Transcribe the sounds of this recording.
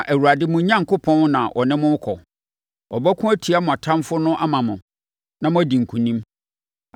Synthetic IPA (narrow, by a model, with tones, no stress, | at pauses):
a˨ʔæ˨wu˨ɾa˨dɪ˦mʊ̃˦ɲã˦ŋ̩˨kʊ˦pʰɔ̃˦n˦nã˨ʔɔ̰˨nɪ̃˦mʊ̃˦kʰɔ˨ | ɔ˨bæ˦kʰʊ̃˦æ˦tʰi˨a˦mʊ̃˨a˨tʰã˦mfʊ˦nʊ̃˦ʔa˦mã˨mʊ̃˨ | nã˨mʊ̃˦æ˦di˨ŋ̩˨kʰũ˨nĩ˦m